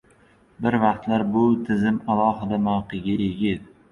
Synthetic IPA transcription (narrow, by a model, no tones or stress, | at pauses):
bɪɾvɑqt̪laɾbʊt̪ʰɪzɪmalˠɒɦɪd̪amawqɨɡʲaʔeɡʲɪt̪